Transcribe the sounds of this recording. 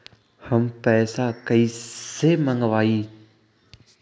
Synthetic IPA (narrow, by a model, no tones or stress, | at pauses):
həmpɛːsakəiseməŋɡʋaːiː